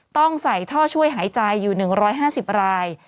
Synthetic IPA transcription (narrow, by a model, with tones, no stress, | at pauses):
t̪ɔ˥˩ŋsa˨˩jt̪ʰɔː˥˩t͡ɕʰu˥˩əjɦaː˩˦jt͡ɕa˧jːuː˨˩nɯ˨˩ŋɾɔː˦˥jɦaː˥˩si˨˩p̚ɾaː˧j